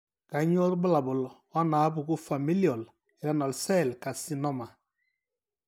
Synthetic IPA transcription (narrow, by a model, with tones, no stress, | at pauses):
ka˨˦ɲ˦ɔ˦tbʊ˦la˨bʊ˨l | ɔ˦na˨˦bu˨ku˦fa˨mi˦li˦ɔ˨l | i˨ɾa˦nɔ˨lsɛ˦˨lka˨si˦nɔ˦ma˨